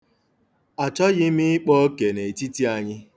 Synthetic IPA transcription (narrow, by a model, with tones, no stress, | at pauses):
a˨t͡ʃɔ˦ɣɪ˦mɪ˦ɪ˦k͡pɔ˦ke˨ne˨ti˦ti˦a˨ɲɪ˦